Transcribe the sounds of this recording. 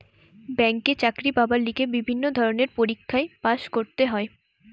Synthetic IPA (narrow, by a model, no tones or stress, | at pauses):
bɛŋket͡ɕakɾibabalːikebibʱinːod̪ʱɔɾoneɾpoɾikʰːaepaʃkoɾt̪eɦɔe